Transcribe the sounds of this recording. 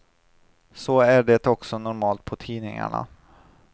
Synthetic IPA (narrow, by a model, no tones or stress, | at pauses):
sɔæɖɛt̪ɔksɔnʊɾmɑːlt̪̚pʰɔt̪ʰiːnɪŋa̰ɳa̰